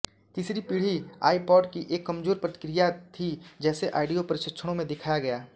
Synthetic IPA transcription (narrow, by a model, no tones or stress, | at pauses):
t̪isɾipiːɽ̤ia̰ːipɔːʈkiʔeːkːɐmd͡ʒoːɾpɾət̪ɪ̥kɾijat̪ʰid͡ʒɛːseʔa̰ːɪɖijopəɾɪʃət̪ːʃʰəɽ̃õmẽd̪ɪkʰajaɡɐjaː